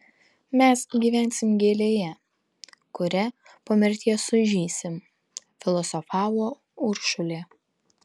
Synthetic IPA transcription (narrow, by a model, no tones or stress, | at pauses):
mʲɛsɡʲiːʋʲæˑnʲsʲɪmɡʲeːlʲeːjɛ | kʊɾʲɛ | poːmʲɛɾʲt̪ʲiːɛsʊʒʲiːsʲɪm | fʲɪlˠɔsɔfɑːʋoː | ʊɾʃʊlʲeː